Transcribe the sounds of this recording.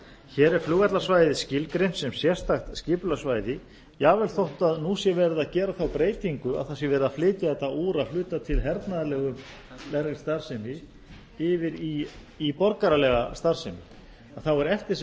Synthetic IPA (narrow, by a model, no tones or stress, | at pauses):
çɛːɾɛɾ̥flʏːɣat̪lasvajðɪscɪlkɾensɛmsjɛst̪axt̪scɪːpʏlasvajðɪ | javɛlθowht̪aðnuːsjɛvɛɾɪðacɛːɾaθawpɾeːjt̪iŋkʏa̰ðθas̬jɛvɛːɾɪðaflɪːt̪ɪɛt̪auːɾaðflʏːt̪at̪ʰɪlɦɛɾt̪naðalɛɣʏm | lɛɾɣɪ̥st̪aɾ̥sɛmɪ | ɪvɪɾiː | pɔɾkaɾalɛɣast̪aɾ̥sɛmɪ | aðθawɛɾɛft̪ɪs